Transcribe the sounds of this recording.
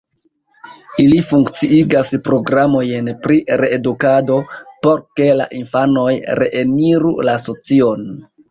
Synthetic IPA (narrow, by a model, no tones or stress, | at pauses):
ilifuŋkt͡siʔiɡaspɾo̞ɡɾamo̞jnpɾiɾe̞ːdukado̞po̞ɾke̞la̰ʔinfano̞jɾe̞̰ʔeniɾṵlasot͡sio̞n